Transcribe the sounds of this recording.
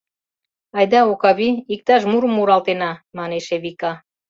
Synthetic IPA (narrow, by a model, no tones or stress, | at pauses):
ɑjd̪ɑokɑβiik̚t̪ɑʃ̬muɾəmuɾɑlt̪enɑmɑneʃeβikɑ